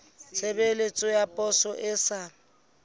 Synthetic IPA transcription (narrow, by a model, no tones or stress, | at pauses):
t͡sʰebelet͡sʼɔjapʼɔsɔʔɪsa